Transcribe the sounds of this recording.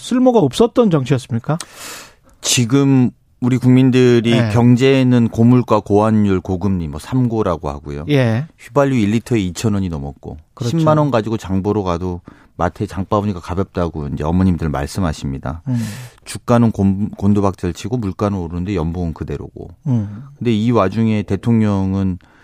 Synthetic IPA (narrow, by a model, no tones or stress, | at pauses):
sʰuɭmoɡaʌp̚s͈ʌt͈̚ʌnt͡ɕʌŋt͡ɕʰijʌs͈ɯmɲik͈a | t͡ɕiɡɯm | uɾikuŋmindɯɾikjʌŋd͡ʑe̞nɯnkomuɭkwakoanːuɭkoɡɯmɲimʌsʰamɡoɾaɡoha̰ɡujojeçɥubaʎːuiʎːitʰʌeit͡ɕʰʌnwʌɲinʌmʌt̚k͈o̰kɕʰimːanʌnɡad͡ʑiɡot͡ɕaŋboɾokado | matʰe̞t͡ɕaŋp͈abuɲiɡakabjʌp̚t͈aɡo̰ind͡ʑe̞ʌmʌɲimdɯɾɭma̰ɭs͈ɯmɦaɕʰimɲida̰ | t͡ɕuk̚k͈anɯnkokondobak̚t͡ɕ͈aɭt͡ɕʰiɡomuɭk͈anɯnoɾɯnɯndejʌmboɯnkɯde̞ɾo̰ɡo̰kkɯnde̞iwad͡ʑuŋe̞te̞tʰoŋɲʌŋɯn